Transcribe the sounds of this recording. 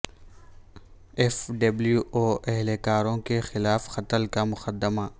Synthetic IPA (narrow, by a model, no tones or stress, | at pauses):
ɛfɖɐbljuʔoːʔɛɦlekaːɾõkexɪlaːfxɐt̪əlkamʊqəd̪ːəma